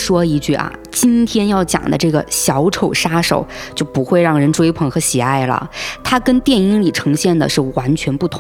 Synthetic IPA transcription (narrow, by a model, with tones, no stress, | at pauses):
ʂwɔ˥i˧˥t͡ɕy˥˩ʔɐ̰˩ | t͡ɕi˥nt̪ʰjɛ˥njɑ˥˩ʊt͡ɕjɑ̰˨˩ŋd̪ə̰˦ʈ͡ʂɤ˥˩ɡə̰˩ɕjɑ˧˥ʊʈ͡ʂʰo˨˩ʊʂa˥ʂo̰˨˩˦ʊt͡ɕjo˥˩ʊpu˧˥xwe˥˧ɪɻɑ˥˩ŋɻə˧˥nʈ͡ʂwe˥ɪpʰɤ˨˩ŋxɤ˧˥ɕi˨˩a˥˩ɪlə̰˩t̪ʰa˥kə˥nt̪jɛ˥˩ni˥ŋli˨˩ʈ͡ʂʰɤ˧˥ŋɕjɛ˥˩nd̪ə̰˩ʂɻ̩˥˩wa˧˥nt͡ɕʰɥɛ˧˥npu˥˩t̪ʰʊ˧˥